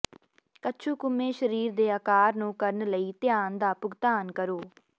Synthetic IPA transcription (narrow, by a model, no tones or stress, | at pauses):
kəːʃʰuːkʊmːẽːʃəɾiːɾd̪eːəːkaːɾnũːkəɾənləiːt̪ɪjaːnd̪aːpʊɡt̪aːnkəɾoː